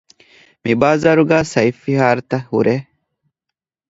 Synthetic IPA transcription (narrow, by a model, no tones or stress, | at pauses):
mibaːzɐɾuɡaːsɐjfːihaːɾt̪ɐhṵɾʔe